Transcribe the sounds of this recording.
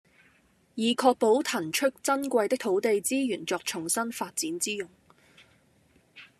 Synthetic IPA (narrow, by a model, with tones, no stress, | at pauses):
jiː˨˩kʰɔː˧k̚po˨˥wt̪ʰɐ˨˩nt͡ʃʰɵ˥k̚t͡sɐ˥nkʷɐ˧jt̪ɪ˥k̚t̪ʰo˨˥wt̪e˨˧jt͡siː˥jyː˨˩nt͡sɔː˧k̚t͡ʃʰʊ˨˩ŋsɐ˥nfaː˧t̚t͡siː˨˥nt͡siː˥jʊ˨˩ŋ